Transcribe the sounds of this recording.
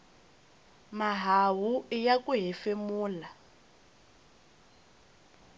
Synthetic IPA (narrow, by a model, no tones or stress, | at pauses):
maɦaɦuijakuɦifemuːla